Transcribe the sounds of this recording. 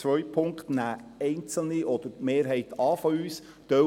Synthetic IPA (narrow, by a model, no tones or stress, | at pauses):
ʋœʏpʰʊŋktnæːɛɪnt͡sl̩niʔɔd̪̥əɾmeːɾɦɛɪt̪ɑːfɔyːs | d̪̥œ